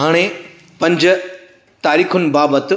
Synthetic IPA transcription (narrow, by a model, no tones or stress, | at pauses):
ɦaːɽ̃e | pɐ̃ɲd͡ʑ | t̪aːɾiːkʰʊn̆baːbət̪